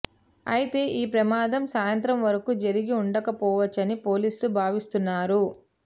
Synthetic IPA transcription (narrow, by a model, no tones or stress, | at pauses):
ɐ̰jit̪e̞ːʔiːpɾɐmaːd̪ʱɐmsaːjɐnt̪ɾɐmʋɐɾɐkuːd͡ʒɐɾiɡiuɳɖɐkɐpɔːʋɐt͡ʃːɐnipo̞ːliːsulubʱaːʋist̪unːaːɾu